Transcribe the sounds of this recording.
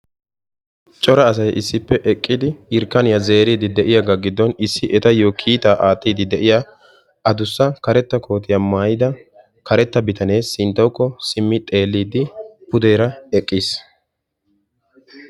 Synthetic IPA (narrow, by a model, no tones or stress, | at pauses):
t͡ʃʼɔɾɐːs̬ɐjʔɪsːɪpːɛʔɛkʼːɪd̪ɪɪɾkːɐnɪjɐze̞ːɾiːd̪ɪd̪ɛʔɪjaɡaɡɪd̪ːɔnɪsːɪʔɛt̪ɐjoːkʰiːt̪aːʔaːt̪ːiːd̪ɪd̪ɛʔɪja | ɐd̪ʊsːɐkɐɾɛt̪ːɐkʰo̞ːt̪ɪjɐmaːjɪd̪ɐ | kɐɾɛt̪ːɐbɪt̪ɐne̞ːsːɪnt̪ːɐwkːɔsɪmːɪt̪ʼe̞ːlːiːd̪ɪpʊd̪eːɾɐɛkʼːiːs